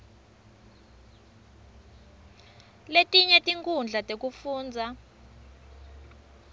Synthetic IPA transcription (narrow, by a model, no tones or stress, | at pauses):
letʼiɲɛtʼiŋkʰʼund͡ɮʱatʼek̬ʼufuːnd͡zʱa